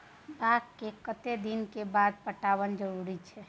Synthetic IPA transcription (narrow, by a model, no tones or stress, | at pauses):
baɡ̪kekət̪ed̪inkebad̪̚pəʈaʋənd͡ʒəɾuɾit͡ʃʰɛ